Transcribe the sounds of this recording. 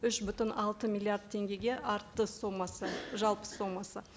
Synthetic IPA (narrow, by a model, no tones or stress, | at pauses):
ʏʃbʏt̪ɪnɑlˠt̪əmilʲˠijaɾd̪̚t̪ʰe̞ŋɡʲe̞ɡʲe̞ʔɑɾt̪ːəsomɑsəʒɑlˠpə̥sːo̞mːɑsə